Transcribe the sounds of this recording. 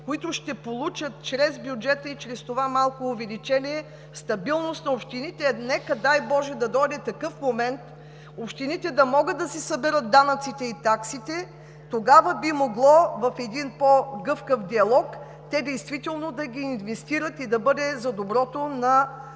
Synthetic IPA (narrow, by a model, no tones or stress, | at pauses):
koit̪ʊʃt̪ɛpolˠut͡ʃət̪̚t͡ʃɾɛzbjud͡ʒɛt̪əit͡ʃɾɛst̪ovamalˠkoːvɛlit͡ʃɛniɛ | st̪ɐbilˠnost̪nɐopʃt̪init̪ɛnɛkəd̪ajbɔʒɛd̪ɐd̪ɔjd̪ɛt̪ɐkɤfmomɛnt̪ | opʃt̪init̪ɛd̪ɐmɔɡəd̪d̪ɐsɛsɐbɛɾət̪̚d̪anɐt̪sit̪ɛit̪aksit̪ɛ | t̪oɡavəbimoɡlˠɔvɐfɛd̪inpoɡɤfkəfd̪iɐlˠɔk | t̪ɛd̪ɛjst̪vit̪ɛlˠnod̪ɐɡʲiːnvɛst̪iɾət̪id̪ɐbɤd̪ɛzɐd̪obɾɔt̪onɐ